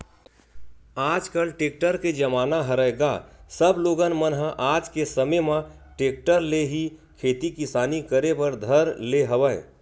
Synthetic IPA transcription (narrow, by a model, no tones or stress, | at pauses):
ad͡ʒkəlʈek̚ʈəɾked͡ʒəmaːnaɦəɾəɡasəbloɡənmənɦə̃ʔad͡ʒkesəməmə̃ | ʈek̚ʈəɾleɦikʰet̪ikisaːnikəɾebəɾd̪ʱəɾleɦəwəɪ